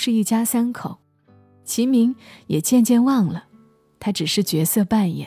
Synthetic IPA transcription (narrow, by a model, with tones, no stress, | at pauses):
ʂɻ̩˥˧i˥˩t͡ɕja˥sa˥nkʰo˨˩˦ʊ | t͡ɕʰi˧˥mi˧˥ŋjɛ˨˩t͡ɕjɛ˥˧nt͡ɕjɛ˥˧nwɑ˥˩ŋlə˩ | t̪ʰa˥ʈ͡ʂɻ̩˨˩ʂɻ̩˥˩t͡ɕɥɛ˧˥sɤ˥˧pa˥˩njɛ̰˨˩˦n